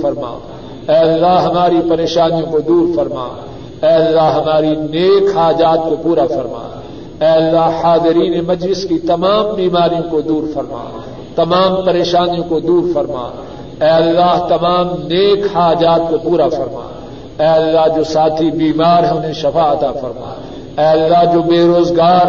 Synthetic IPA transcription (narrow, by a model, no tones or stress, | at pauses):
ɐɾma̰ː | ɛːɐlːaːɦɦɐmaːɾipɐɾeːʃaːnijõkod̪uːɾfɐɾma̰ː | ɛːɐlːaɦɦɐmaːɾineːkɦaːd͡ʒaːt̪̚kopuːɾafɐɾma̰ː | ɛːɐlːaːɦhaːzɪɾiːnemɐd͡ʒlɪskit̪ɐmaːmbiːmaːɾijõkod̪uːɾfɐɾma̰ː | t̪ɐmaːmpɐɾeːʃaːnijõkod̪uːɾfɐɾma̰ː | ɛːɐlːaːɦt̪ɐmãːmneːkhaːd͡ʒaːt̪̚kopuːɾafɐɾma̰ː | ɛːɐlːaɦd͡ʒoːsaːt̪ʰibiːmaːɾɦɛ̃ʊnɦẽʃɐfaɐt̪afɐɾma̰ː | ɛːɐlːaɦd͡ʒoːbeːɾoːzɡaːɾ